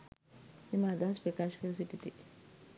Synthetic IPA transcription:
imad̪aspɾɐkaʃkəɾsiʈ̪it̪i

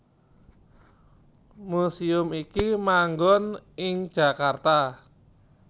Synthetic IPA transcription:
musiʊmikimaŋɡɔnɪŋ̥ʒ̥a̤kart̪a

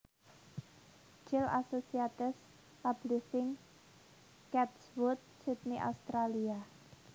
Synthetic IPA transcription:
d͡ʒɪla̰sosiat̪ɪs | pab̥lisɪŋ | kɛt̪swʊt̪̚sit̪̚niʔa̰ust̪ɾalia

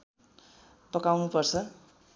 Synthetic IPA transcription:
pʌkawnupʌrt͡sʰʌ

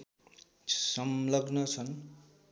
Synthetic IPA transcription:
sʌmlʌɡnʌt͡sʰʌn

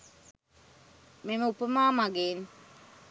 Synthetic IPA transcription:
meməupəmaːmaɡeːn

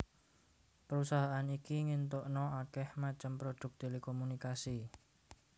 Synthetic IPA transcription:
pəɾusaɦaʔanikiŋint̪ʊʔnɔakɛhmat͡ʃəmpɾod̪̥ʊ̤k̚t̪elekomunikasi

